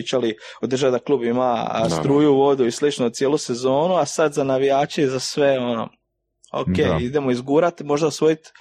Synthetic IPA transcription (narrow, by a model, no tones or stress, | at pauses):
t͡ʃali | od̪ɾ̩rʒad̪aklˠuːbimast̪ɾuːjuʋo̞d̪uislit͡ʃnot̪je̞luse̞zo̞ːnuasad̪zanaʋijaːt͡ʃezasʋe̞o̞no̰ | o̰keːid̪emoizɡuːɾat̪mo̞ʒd̪aosʋoit̪